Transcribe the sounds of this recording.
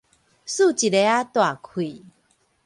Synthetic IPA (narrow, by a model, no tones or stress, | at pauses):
sut͡ɕiɾeat̪oakʰui